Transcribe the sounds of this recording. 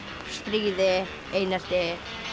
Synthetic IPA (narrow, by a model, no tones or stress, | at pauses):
st̪ɾiːðɪ | ejnast̪ɪ